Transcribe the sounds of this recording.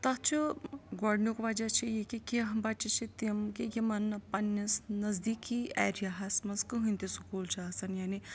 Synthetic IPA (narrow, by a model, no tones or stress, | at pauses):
t̪ɐɦt͡ʃʰuɡɔɽnukʋad͡ʒat͡ʃʰijekikʲeɦɐmbat͡ʃit͡ʃʰit̪imkijimɐnːɐpɐnɐsnɐzd̪iːkiḛːɾijaɦɐsmɐskɨɦɨ̃nʲt̪isukuːlt͡ʃʰiasɐnjaːni